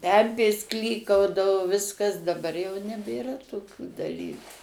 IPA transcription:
ˈpʲɛmʲpʲeːs ˈklʲiːkɐʊdɐʋoː ˈʋʲɪskɐs dɐˈbɐr jɛʊ nʲɛbʲeːˈrɐ toːˈkʲuː dɐˈlʲiːkʊ

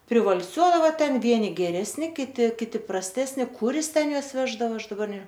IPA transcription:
pʲrʲɪʋɐlʲˈsʲuɔdɐʋɐ tʲɛn ˈʋʲiɛnʲɪ ɡʲɛrʲɛsʲˈnʲɪ kʲɪˈtʲɪ kʲɪˈtʲɪ prɐsʲˈtʲæːsʲnʲɪ ˈkʊr ˈjɪs ˈtʲɛn ˈjuɔs ˈʋʲæːʒdɐʋɐ ˈɐʃ dɐˈbɐr nʲɛ

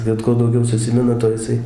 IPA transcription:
ˈbʲɛt kuɔ dɐʊˈɡʲɛʊ sʊˈsʲɪmʲɪnɐ ˈtoː jɪˈsɐɪ

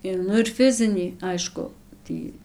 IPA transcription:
ɪ ˈnʊ ɪr ˈfʲɪzʲɪnʲiː ˈɐɪʃkʊ ˈtʲiː

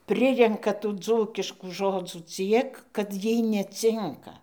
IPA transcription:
ˈpʲrʲɪrʲɛŋkɐ tuː ˈd͡zuːkʲɪʃkuː ˈʒoːd͡zuː ˈt͡sʲiɛk kɐt ˈjiɛj nʲɛˈt͡sʲɪŋkɐ

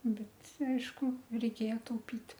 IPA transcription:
ˈbʲɛt ˈɐɪʃkʊ rʲɛɪˈkʲeːjɛ tɐʊˈpʲɪt

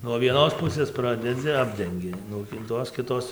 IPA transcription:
nuɔ ʋʲiɛˈnoːs ˈpʊsʲeːs ˈprɑːdʲɛd͡zʲɪ ˈɑːbʲdʲɛŋʲɡʲɪ nuɔ ˈtoːs kʲɪˈtoːs

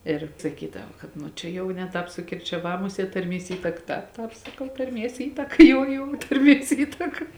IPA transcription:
ɪr sɐˈkʲiːdɐʋɐ kɐt ˈnʊ t͡ʃʲɛ ˈjɛʊ nʲɛ ˈtɑːp sʊkʲɪrʲt͡ʃʲɛˈʋɑː ˈmʊˌsʲiɛt tɐrʲˈmʲiɛs ˈiːtɐkɐ ˈtɑːp ˈtɑːp sɐˈkɐʊ tɐrʲˈmʲiɛs ˈiːtɐkɐ ˈjoːʊ joːʊ tɐrʲˈmʲiɛs ˈiːtɐkɐ

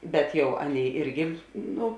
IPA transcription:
ˈbʲɛt ˈjɛʊ ˈɑːˌnʲeːɪ ˈɪrʲɡʲɪ ˈnʊ

